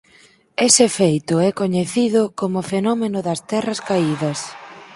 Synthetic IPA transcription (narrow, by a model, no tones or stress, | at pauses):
esɪfejt̪ʊɛkoɲeθiðʊkomʊfenɔmenʊðɐst̪ɛrɐskaiðɐs